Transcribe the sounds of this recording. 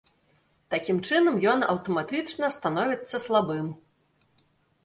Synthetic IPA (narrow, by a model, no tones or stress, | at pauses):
t̪akʲimt͡ʂɨnɐmjɔnɐ̰wt̪ɔmat̪ɨt͡ʂnɐst̪anɔvʲit̪sːɐslˠabɨm